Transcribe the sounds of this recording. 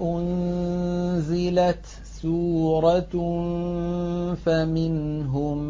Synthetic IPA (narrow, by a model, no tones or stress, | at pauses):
ʔʊn | zɪlat̪ | suːɾˤɑ | famɪnɦʊm